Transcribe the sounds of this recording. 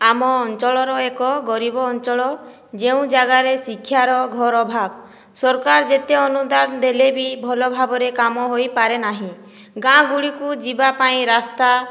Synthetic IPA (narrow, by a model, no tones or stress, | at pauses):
amɔːnt͡ʃɔɭɔɾɔekɔɡɔɾibɔːnt͡ʃɔɭɔ | d͡ʒeũd͡ʒaɡaɾesikʰːjaɾɔɡʱɔɾɔbʱab | sɔɾkaɾd͡ʒet̪eɔnud̪and̪elebibʱɔlɔbʱabɔɾekamɔɦojpaɾenaɦĩ | ɡãɡuɽikud͡ʒibapaĩɾast̪a